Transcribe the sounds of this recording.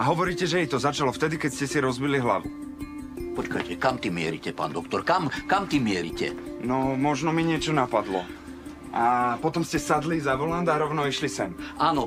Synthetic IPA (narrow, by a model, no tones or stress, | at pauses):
aɦɔʋɔɾiːcɛʒɛɛjt̪ɔzat͡ʃalɔft̪ɛd̪ikɛcscɛsiɾɔzbiliɦla̰ʋu | pɔt͡ʃka̰jtʲɛkamt̪imɪɛ̰ɾḭcɛpa̰ːnd̪ɔkt̪ɔɾkamkamt̪imɪɛɾḭcɛ̰nɔmɔʒnɔmiɲɪɛt͡ʃɔnapad̪lɔ̰ | ʔapɔt̪ɔmscɛsad̪lizaʋɔland̪aɾɔʊnɔiʃlisɛnʔaːnɔ